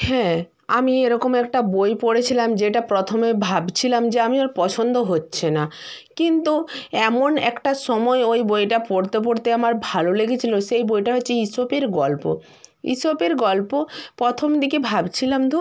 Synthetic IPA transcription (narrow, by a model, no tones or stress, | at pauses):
hɛ̃ː | amieɾɔkomɛk̚ʈabojpoɽet͡ɕʰilamd͡ʑeʈapɾot̪ʰomebʱabt͡ɕʰilamd͡ʑeamiaɾpɔt͡ɕʰond̪oɦotːɕʰenakint̪uɛmonɛ̰kʈaʃɔmɔeojbojʈapoɽt̪ep̬oɽt̪eamaɾbʱaloleɡet͡ɕʰiloʃejbojʈaɦotːɕʰeisopeɾɡɔlpo̰ | ḭsopeɾɡɔlpopɾɔt̪ʰomd̪ikebʱabt͡ɕʰilamd̪ʱu